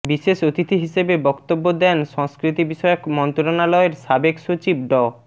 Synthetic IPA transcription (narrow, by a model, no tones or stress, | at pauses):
biʃeʃot̪it̪ʰiɦiʃebebɔkt̪obːod̪ɛnʃɔŋskɾit̪ibiʃɔeokmɔnt̪oɾonalɔeɾʃabekʃot͡ɕibɖɔ